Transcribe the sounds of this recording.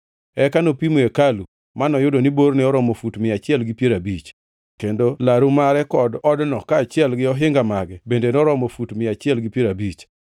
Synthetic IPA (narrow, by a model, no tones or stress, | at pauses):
ɛkanopimoekalu | manɔjʊdonibornɛɔɾɔmofutmɪat͡ʃɪɛlɡɪpjeɾabit͡ʃ | kendolaɾumaɾɛkɔdɔdnɔkaːt͡ʃɪɛlɡɪɔɦɪŋɡamaɡɛbendenɔɾɔmofutmɪat͡ʃɪɛlɡɪpjeɾabit͡ʃ